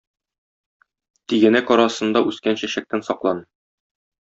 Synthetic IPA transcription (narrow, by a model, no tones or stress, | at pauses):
t̪iɡɘ̆nækɒɾɑsɤ̆nd̪ɑʔʉskænɕæɕæk̚t̪ænsɒqlˠɑnɤ